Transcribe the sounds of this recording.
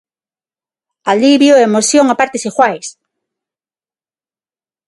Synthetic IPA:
aliβjoemosjoŋapaɾt̪esixwajs

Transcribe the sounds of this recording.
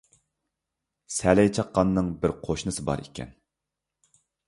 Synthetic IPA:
sɛlɛjt͡ʃʰɑqːɑnːɨŋbɪɾqʰoʃnɨsɨbɑ̰ɾikʲʰɛ̰n

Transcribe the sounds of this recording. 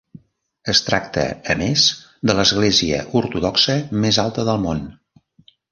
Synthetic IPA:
əst̪ɾak̚t̪ə̰əmez | d̪ələzɣ̞leziə̰ʔuɾt̪uðɔksəmezalˠt̪əðəlˠmon

